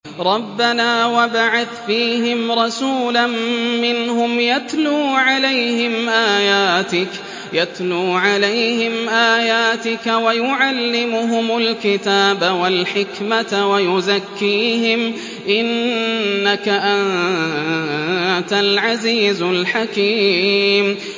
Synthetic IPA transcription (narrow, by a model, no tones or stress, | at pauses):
ɾˤɑbːanaːwabaʕaθfiːhɪmɾˤɑsuːlanːɪnhʊmjat̪luːʕalajhɪmʔaːjaːt̪ɪk | jat̪luːʕalajhɪmʔaːjaːt̪ɪkawajʊʕalːɪmʊɦʊmalkɪt̪aːbawalħɪkmat̪wajʊzakːiːhɪm | ʔɪnː | akaʔan | t̪alʕaziːzʊlħakiːm